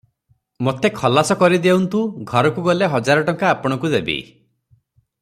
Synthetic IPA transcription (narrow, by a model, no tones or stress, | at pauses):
mot̪ʰekʰɔlasɔkɔɾid̪ewnt̪ũɡʱɔɾɔkuɡɔleɦɔd͡ʒaɾɔʈɔŋkaːpɔɽ̃ɔkud̪ebḭ